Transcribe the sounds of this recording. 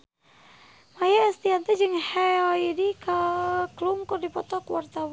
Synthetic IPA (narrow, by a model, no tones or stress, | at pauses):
majaːst̪iant̪ɛd͡ʒɨŋhɛɔidikakluŋkurdipɔt̪ɔkwart̪awa